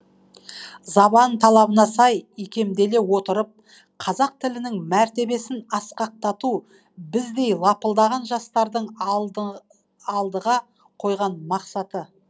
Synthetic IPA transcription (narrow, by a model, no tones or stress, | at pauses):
zɑbɑnt̪ʰɑlˠɑbənɑsɑjikʲʰe̞md̪e̞le̞wo̞t̪əɾəp̚ | qʰɑzɑq̚t̪ʰɪlɪnɪŋmæɾt̪e̞be̞sɪnɑsqɑq̚t̪ɑt̪u | bɪzd̪e̞jlˠɑpəlˠd̪ɑʁɑnʒɑst̪ɑɾd̪əɴ | lˠd̪əʁɑ | qʰo̞jʁɑnmɑqsɑt̪ə